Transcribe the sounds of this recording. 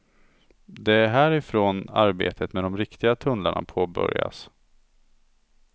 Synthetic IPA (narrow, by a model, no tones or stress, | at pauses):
d̪ɛæɾɦæːɾɪfɾoːna̰ɾbḛːt̪ʰət̪mɛd̪ɔmɾɪkt̪ɪɡat̪ʰɵnlaɳa̰pʰoːbœ̰ɾja̰s